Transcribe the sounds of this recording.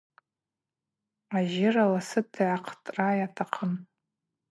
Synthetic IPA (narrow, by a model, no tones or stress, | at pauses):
aʒɪralasɨtʰiʕaqʰtʼrajatʰaqʰən